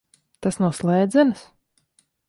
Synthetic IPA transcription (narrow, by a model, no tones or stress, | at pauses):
t̪asnuslˠɛːd̪zɛnɨs